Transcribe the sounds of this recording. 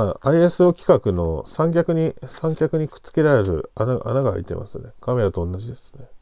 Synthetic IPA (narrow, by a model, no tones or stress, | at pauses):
aaiesɨo̞kʲi̥kakɯ̟no̞sãŋk̬ʲakɯ̟ɲ̟isãŋkʲakɯ̟ɲ̟ikɯ̥t͡sɨ̥ke̞ɾaɾeɾɯ̟̰anaa̰naɡaha̰it̪e̞̰mʔa̰sɨne̞kʰame̞ɾat̪o̞õnːaʑid̪e̞sɨ̥ne̞